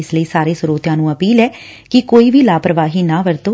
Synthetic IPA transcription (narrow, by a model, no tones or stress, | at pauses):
ɪsləiːsaːɾeːsʊɾoːt̪jãːnũːəpiːlɛː | kɪkoːiːbʱiːlaːpɾəʋaːɦiːnãːʋəɾt̪oː